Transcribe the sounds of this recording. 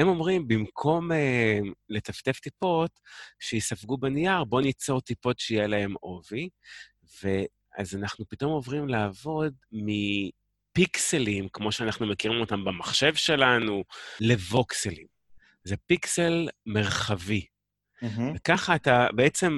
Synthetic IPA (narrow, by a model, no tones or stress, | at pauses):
hemo̞mʁimbimkʰo̞memle̞taft̪e̞ft̪ipo̞tʃejisafɡubenijaʁbo̞nit͡so̞ʁt̪ipo̞tʃeijelae̞mo̞vi | ve̞ | a̰zanaχnupito̞mo̞vʁimlaːvo̞d̪mi | pikselimkmoʃeanaχnumekiʁimo̞tambemaχʃe̞vʃe̞lanule̞vo̞kselim | zepikselme̞ʁχavi | vekaχaːt̪abeet͡se̞m